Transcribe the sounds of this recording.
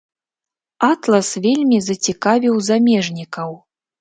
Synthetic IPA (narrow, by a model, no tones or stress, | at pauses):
at̪lˠɐsvʲelʲmʲizɐt͡sʲikavʲiwzamʲɛʐnʲikɐw